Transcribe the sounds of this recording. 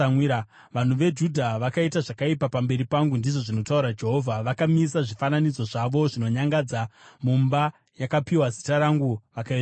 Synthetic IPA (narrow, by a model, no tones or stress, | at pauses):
wia | ʋan̤uʋe̞d͡ʒudʱaʋakaitaʐakaipapambe̞ɾipaŋɡundiʐo̞ʐino̞tauɾad͡ʒe̞ɦo̞vʱaʋakamisaʐifananid͡zo̞ʐaʋo̞ʐino̞ɲaŋɡad͡zamumba | jakapiwazitaɾaŋɡuʋakaita